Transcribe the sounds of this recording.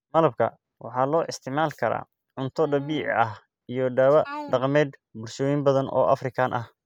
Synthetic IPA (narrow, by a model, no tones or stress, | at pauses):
mɐlɐb̚kʰɐ̰ | wɑ̰ħɑːlɔːʔɪst̪ʰɪʕmaːlkʰɐɾa̰ː | ʕʊnt̪ʰɔɖɐβiːʕɪ̰ʔɐh | ijɞɖɐːwɐɖɑqmɛːd̪bʊlʃɔːjɪmbɐðɐnʔɔ̰ːʔɐfrɪkʰaːnʔɐh